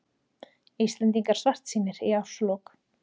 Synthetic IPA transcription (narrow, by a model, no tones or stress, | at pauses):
ist̪lɛnt̪̬iŋkaɾ̥sar̥t̪siːnɪɾiawslɔk